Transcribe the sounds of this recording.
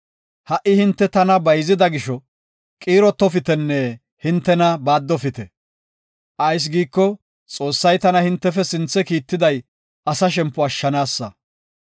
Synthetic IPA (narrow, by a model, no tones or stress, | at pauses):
hɐʔɪhɪnt̪ːɛt̪ɐnɐbɐjzɪd̪ɐɡɪʃɔ | kʼiːɾɔt̪ːɔfɪt̪ɛnːɛ | hɪnt̪ːɛnɐbaːd̪ːɔfɪt̪ɛ | ʔɐjs̬ɡiːkːɔ | t͡sʼo̞ːsːɐjt̪ɐnɐhɪnt̪ːɛfɛsɪnt͡sːɛkiːt̪ːɪd̪ɐj | ɐsɐʃ̬ɛmpːʊɐʃːɐnaːsːɐ